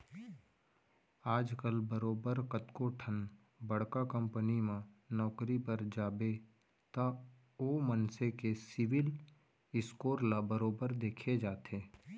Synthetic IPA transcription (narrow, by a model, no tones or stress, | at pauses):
aːd͡ʒkəlbəɾoːbəɾkət̪koʈʰən | bɐɽ̤kakə̃mpənimãnɔːkɾipəɾd͡ʒaːbe | t̪a | oːmənsekesɪʋɪl | ɪskoːɾlabəɾoːbəɾd̪eːkʰed͡ʒaːt̪ʰeː